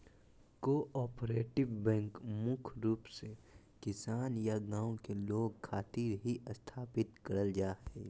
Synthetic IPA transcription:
koːʔɔːpɾeːʈɪbbɛ̃ŋkmʊkʰɾuːpse | kɪsaːnjaɡãːõkeloːɡ̚kʰaːt̪iːɾɦiʔɐst̪ʰaːpɪt̪kɐɾəld͡ʒaːɦeː

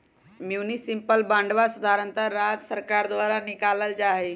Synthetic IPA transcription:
mjuːnisɪmpəlbãːɳɖʋasʊd̪ʱaːɾə̃nt̪əɾːaːd͡ʒsəɾkaːɾd̪ʋaːɾanɪkaːləld͡ʒaːɦeː

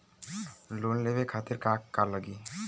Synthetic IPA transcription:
lonlebekʰat̪eɾkakːaɾləɡi

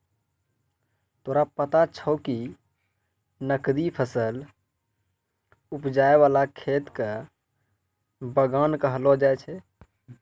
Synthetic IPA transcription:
t̪oːɾapət̪at͡ʃʰəʊki | nəkd̪ipʰəsəl | upd͡ʒaeʋaːlakʰeːt̪kə | bəɡankəɦəlod͡ʒaet͡ʃʰɛ

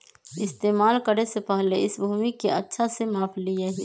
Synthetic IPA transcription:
ɪst̪eːmaːlkəɾesepəɦleɪsbʱuːmikeʔə̰tːʃʰasemaːpʰlieɦi

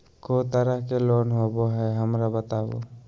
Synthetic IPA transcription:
kot̪aɾahkelɔnɦobɔɦɛɦəmɾabat̪abɔ̰

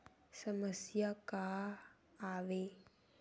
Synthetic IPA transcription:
səməsjaka | aʋe

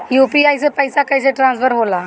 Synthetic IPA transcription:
jupiajsepəjsakajseʈɾãnsfəɾɦola

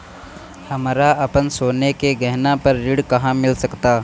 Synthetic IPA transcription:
hɐmɾaɐpənsoːnekeɡɐɦnapɐɾːɪɽkɐɦãmɪlsɐkt̪aː

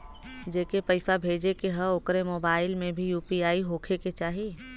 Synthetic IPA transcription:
d͡ʒeːkepɐɪfabʱeːd͡ʒekeɦəoːkɾemoːbaːɪlmẽbʱijuːpiaːiɦoːkʰeket͡ʃaːɦi

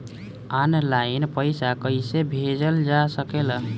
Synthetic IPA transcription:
anlainpəjsakəjsebʱed͡ʒəld͡ʒasəkelə

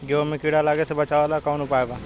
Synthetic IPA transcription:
ɡjoːmẽkiɽalaːɡesebət͡ʃaːʋalaːkaːnupaːebaː

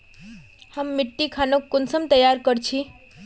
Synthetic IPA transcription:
həmːiʈːikʰanokːonsəmt̪əjaɾkəɾt͡ʃʰi

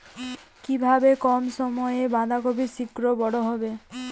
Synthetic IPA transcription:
kibʱabekɔmsɔmɔjebãd̪akobisikɾɔbɔɽɔɦɔbe

